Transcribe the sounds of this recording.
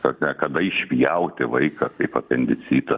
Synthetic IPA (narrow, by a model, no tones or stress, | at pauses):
sɐknʲɛkɐd̪ɐɪʃʲʋʲijɛʊt̪ʲɪʋɐɪkɐkɐɪpɐpʲɛnʲd̪ʲɪt͡s̪ʲiːt̪ɐ